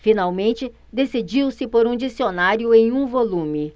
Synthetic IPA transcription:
finawmẽnt͡ʃɪ | d̪esid͡ʒiwsɪpoɾũd͡ʒisionaɾjʊẽj̃ũvolũmɪ

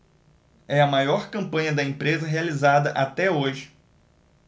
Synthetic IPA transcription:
ɛɐmajɔɾkɐ̃mpɐ̃ɲɐd̪ɐẽmpɾezɐɦealizad̪ɐʔat̪ɛoʒɪ

